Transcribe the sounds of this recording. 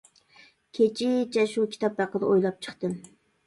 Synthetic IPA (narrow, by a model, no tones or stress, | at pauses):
kʲʰet͡ʃʰɪt͡ʃʰɛʃukʲʰi̥t̪ɑp̚bæqːəd̪əojlˠɑp̚t͡ʃʰə̥χt̪ɨ